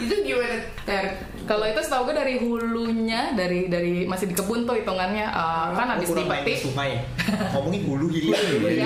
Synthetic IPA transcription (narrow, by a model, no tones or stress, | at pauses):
it̪udiwɛr | t̪ər | kaloit̪usət̪auɡadaɾiɦuluɲadaɾidaɾimasɪhdikəbʊnt̪oit̪uŋanɲaʔəkanabɪsdipət̪isumaja | komɔŋinɦuluɦiluua